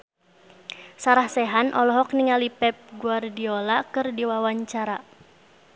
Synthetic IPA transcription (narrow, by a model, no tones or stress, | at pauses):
saɾahsɛɦanʔɔlɔɦɔk̚niŋalipɛp̚ɡuardiɔlakɨrdiwawaɲt͡ʃaɾa